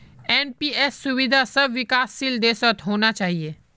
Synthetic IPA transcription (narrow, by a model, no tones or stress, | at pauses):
ɛːnpiːɛsːʊʋɪd̪ʱasɐbʋɪkaːsːild̪eːsət̪ɦoːnat͡ʃaːɦieː